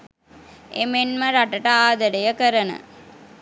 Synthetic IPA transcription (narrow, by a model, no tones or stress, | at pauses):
emenməɾaʈəʈəaːd̪ɐɾəjəkəɾənə̰